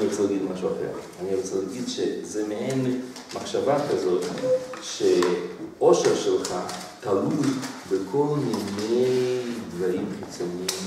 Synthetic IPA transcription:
niɾt͡sɛlaɡid̪maʃuaχḛlaniɾt͡sɛlaɡidʃezɛmehen | maχʃavakazot̪ʃe | oʃɛɾʃɛlˠχa | t̪alujbəkʰolˠminejd̪vaɾimχit͡sonim

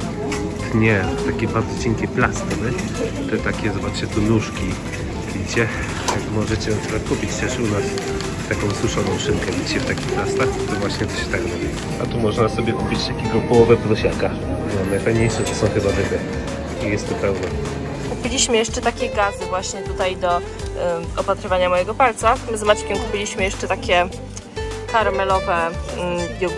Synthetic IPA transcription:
d̪̥ɲɛt̪akʲɛbaɾd̪zɔd͡ʑɛŋkʲɛplast̪ɨnɛt̪ɛt̪akʲɛzɔbat͡ʂt͡ɕɛt̪unuʂkʲi | plʲit͡ɕɛ | jakmɔʐɛt͡ɕɛsbɛkupʲit͡ɕt̪ɛʂunas | t̪akɔ̃w̃swuʂɔnɔ̃w̃ʂɘŋkɛlʲit͡ɕɛft̪akʲixlast̪axt̪ɔvwaɕɲɛt̪ɔɕɛ̥t̪akɾɔbʲi | at̪umɔʐnasɔbʲjɛkupʲit͡ɕt̪akʲeɡɔpɔwɔvɛplɔɕaka | namnajfajɲejʂɛʐɛsɔ̃w̃xɛzavɘt̪ɛ | ijɛst̪ːɔpɛwnɛ | kupʲilʲiɕmɘjɛʂt͡ʂɛt̪akʲɛɡazɘvwaɕɲɛt̪ut̪ajd̪ɔ | ɔpat̪ɾɘvaɲamɔjɛɡɔpalt̪samzmat͡ɕkʲɛmkupʲilʲiɕmɘjɛʂt͡ʂɛt̪akʲɛ | t̪aɾmɛlɔvɛ | bʲjɛɡ

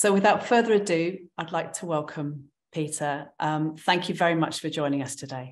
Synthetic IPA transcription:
soʊwɪðaʊtfɜːðəɹədʉːaɪdˡlaɪk̚tʰəwɛlˠkʰə̃m | pʰiˑtʰəʔʌ̃mθæ̃ŋkʰjəvɛɹimʌt͡ʃfəd͡ʒɔ̃ɪ̃nɪ̃ŋəstʰədeɪ

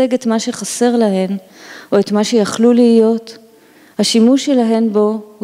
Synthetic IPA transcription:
eɡe̞tmaʃe̞χase̞ʁlaɦe̞n | o̞etmaʃe̞jaχluliijo̞t | haʃimuʃelaɦe̞nbo̞hu

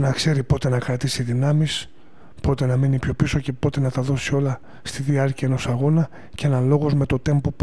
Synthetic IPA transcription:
nɐkse̞ɾipo̞t̪e̞nɐkɾɐt̪isiðinɐmis | po̞t̪e̞nɐmenipço̞piso̞ce̞po̞t̪e̞nɐt̪ɐðo̞sio̞lɐ | st̪iðiɐɾciɐenosɐɣo̞nɐ | ceenɐlo̞ɣo̞zme̞t̪o̞t̪e̞mpop

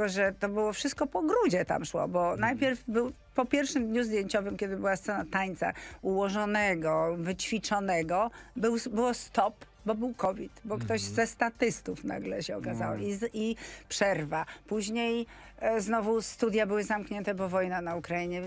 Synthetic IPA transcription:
ɛɔʐɛt̪ɔbɘwɔfʂɨst̪̚kɔpɔɡɾud͡ʑɛt̪a̰mʂwɔ̰bɔnajpʲjɛɾfbɘw | pɔpʲjɛɾfʂɘmd̪ɲuzd̪jeɲt͡ɕɔvɘmkʲɛd̪ɘbɘwast̪sɛnat̪aɲt̪sa̰uwɔʐɔnɛɡɔvɘt͡ɕfʲit͡ʂɔnɛɡɔbɘwbɘwɔst̪ɔp | bɔbɘwkɔvʲit̪bɔkt̪ɔʑzɛst̪at̪ɘst̪ufna̰ɡlɛɕɛɔkazaw̰iipʂɛɾvapuʑɲej | znɔvust̪ud̪ʲjabɘwɘzamkɲɛnt̪ɛbɔvɔjnanaukɾaiɲɛ

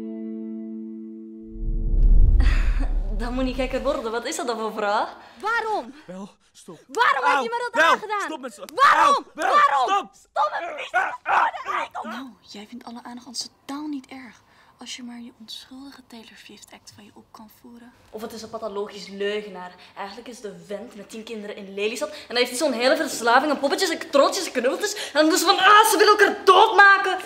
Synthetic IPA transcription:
dɔnmutnikɛkəʋɔrdənʋɑtɪsdɔtdɔnvofraːx | ʋaːɾɔm | ʋaːɾɔmɦɛjəmadɔtaχədaːnʋaːɔmɛʋaːɾɔ | tɔ | nawjɛjfɪntɑləʔaːnχɑnstotaːlˠnitɛɹχ | ɑlˠsjəmaːɹjəɔnsχɵlˠdəχətejləɹv̥irtɛk̚tfɑnjəʔɔp̚kɑnfuːɾə | ʔɔfətɪsəpɑtoloːxisløːɣənaːrʔɛjxɣəntləkɪsdəʋɛntmɛtːinkɪndəɾəʔɪnlelisɑtɛndɑnɦeːftisoːnɦeːləvərslaːvɪŋɛnpɔpətəsɛktrotsjəsɛknøblˠtəsɛndɑnmutsəvɑnaːsəʋɪləəkaːrdoːtmaːkə

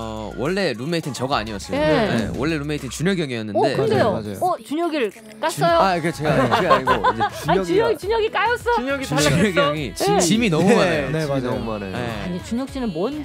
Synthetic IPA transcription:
ʌ | wʌɭːe̞ɾume̞itʰɯnt͡ɕʌɡaa̰ɲiʌs͈ɯɭeḛwʌɭːe̞ɾume̞itʰɯnt͡ɕuɲjʌɡjʌŋijʌnːɯnde̞ɾnde̞joʌt͡ɕuɲʌɡiɭ | k͈as͈ʌjoaket͡ɕʰeɡaeɡaioind͡ʑeaɲiuɲʌɡit͡ɕuɲʌɡik͈ajʌs͈ʌuɲʌɡiuɲʌɡjʌŋit͡ɕt͡ɕiminʌmumaneoemumaneeaɲit͡ɕuɲʌk̚ɕ͈inɯnmwʌn

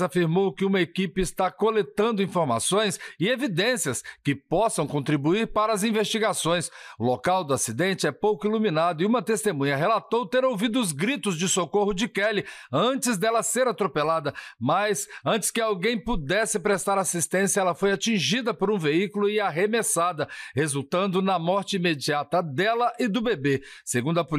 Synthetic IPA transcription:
zafiɾmowkɪũmɐekipɪɪst̪akolet̪ɐ̃nd̪ʊĩfoɾma̰sõj̃sɪevid̪ẽsiɐskɪpɔsɐ̃w̃kõnt̪ɾibuiɾpaɾɐːzĩvest͡ʃiɡasõj̃sʊlokawd̪ʊasid̪ẽnt͡ʃɪɛpowkʊiluminad̪ʊɪũmɐt̪est̪emũɲɐɦelat̪owt̪eɾowvid̪ʊːzɡɾit̪ʊzd͡ʒɪsokoɦʊd͡ʒɪkɛlɪɐ̃t͡ʃɪzd̪ɛlɐseɾat̪ɾopelad̪ɐmɐjsɐ̃t͡ʃɪ̥skɪawɡẽj̃pud̪ɛsɪpɾest̪aɾasist̪ẽsijɐɛlɐfojat͡ʃĩʒid̪ɐpoɾũveikulʊɪaɦemesad̪ɐhezuwt̪ɐ̃nd̪ʊnɐmɔɾt͡ʃɪimed͡ʒiat̪ɐd̪ɛlɐʔɪd̪ʊbebe | seɡũnd̪ʊɐpu

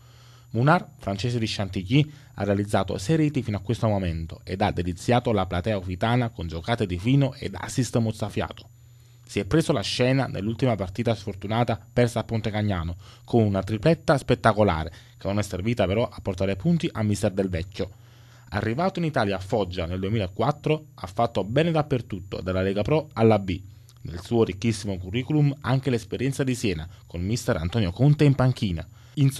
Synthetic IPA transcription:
munarfɾant͡ʃeːsed̪iʃːant̪iki | a̰rːealid̪zːaːt̪o̰seɾiːt̪ifinoakːwest̪omoment̪o̰ḛd̪ad̪ːelit̪sːjaːt̪olaplat̪ɛːaufit̪aːnakond͡ʒokaːt̪ed̪ifiːnoʔḛd̪a̰sist̪ɛmot̪safja̰ːt̪o̥ | siɛpːɾeːsolaʃːɛːnanḛlːult̪imapart̪iːt̪asfort̪unaːt̪apɛrsaːpːont̪ekaɲːaːnokomunat̪ɾiplɛt̪ːaspet̪ːakola̰ːɾḛkenonɛsːerviːt̪apeɾɔʔapːort̪aːɾepunt̪iʔamːist̪ɛrd̪elvɛkʲːo | a̰rːivaːt̪oinit̪aːljaːfːɔd͡ʒːaneld̪uemiːlaekːwat̪ːɾoafːat̪ːobɛːned̪apːert̪ut̪ːo̰d̪alːalɛːɡapɾɔalːabi | nelsuːoɾikːisːimokurːiːkulumaŋk̟elespeɾjɛnt̪sad̪isjɛːna̰konmist̪ɛɾa̰nt̪ɔːnjokont̪eimpaŋk̟iːna̰ | in

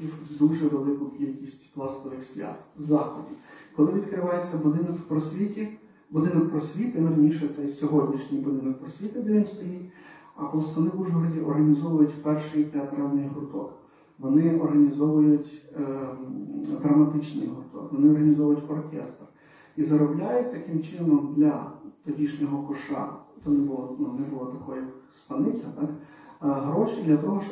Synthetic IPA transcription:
id̪uʒɛʋelˠɪkʊkʲilʲkʲisʲtʲplˠɑst̪ɔʋɪxsʲlʲa̰t̪zɑxɔdʲikɔlˠɪʋʲid̪kɾɪʋɑjet͡sʲːɐbʊd̪ɪnɔkwpɾɔsʲʋʲitʲi | bʊd̪ɪnɔk̚pɾɔsʲʋʲit̪ɪnɐɾɐnʲiʃɛt̪sɛsʲɔɦɔdʲnʲiʃnʲijbʊd̪ɪnɔk̚pɾɔsʲʋʲit̪ɪd̪ɛʋʲinst̪ɔjitʲ | ɐplˠst̪ʋɔnɪd̪uʒʊɦɔɾɐzʲiʔɔrɦɐnʲizɔʋʊjʊtʲpɛrʃɪjt̪eɐt̪ɾɑlʲnɪjɦʊɾt̪ɔ̰k | ʋɔnɪɔrɦɐnʲizɔʋʊjʊtʲ | d̪ɾɐmɐt̪ɪt͡ʃnɪ̰jɦʊrt̪ɔ̰kʋɔnɪɔrɦɐnʲɪzɔʋʊjʊtʲɔrkʲɛ̰st̪r | izɐɾɔblʲajʊt̚ʲt̪ɐkɪmt͡ʃɪnɔmd̪lʲɐt̪ɔdʲiʃnʲɔɦɔkʊʃɑ̰t̪ɔnɪbʊlˠɔnuʋnɛbʊlˠɔt̪ɐkɔjɐkst̪ɐnɪt͡sʲɐt̪ak | ɦɾɔʃɪd̪lʲɐt̪ɔɦɔʃ

